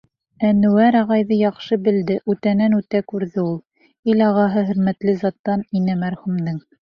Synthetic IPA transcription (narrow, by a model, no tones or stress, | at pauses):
ænɵwæɾɑʁɑjðɤjɑqʃɤbɘ̆ld̪ɘʔʉt̪ænænʉt̪ækʉɾðɘulˠ | ilɑʁɑɦɤɦɵ̆ɾmæt̪lɘzɑt̪ːɑninɘmæɾχumd̪ɤŋ